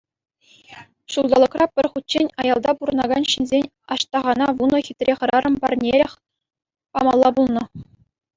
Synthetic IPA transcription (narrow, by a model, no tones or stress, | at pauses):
ɕulˠd̪ɑlˠɤ̆krʔɑpʲɘ̆rʲχut̚ʲt͡ɕːenʲɑjɑlˠd̪ɑpuɾɤ̆nɑɡɑnɕinʲzʲenʲ | ɑɕt̪ɑʁɑnɑʋunɤ̆xʲit̪ʲrʲʔeχɤ̆ɾɑrɤ̆mpɑrnʲeɾʲĕxʲ | pɑmɑlˠːɑbulˠnɤ̆